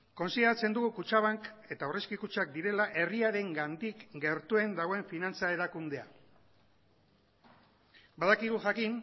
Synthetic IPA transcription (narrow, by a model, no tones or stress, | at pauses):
ko̞nsiðe̞ɾat͡se̞nd̪uɣukut͡ʃaβaŋke̞t̪aore̞skikut͡ʃak̚d̪iɾe̞laʔe̞riaɾe̞ŋɡand̪ikɡe̞ɾt̪ue̞nd̪aɣ̞o̞e̞ɱfinant͡sae̞ɾakund̪e̞a | baðakiɣ̞uʝakin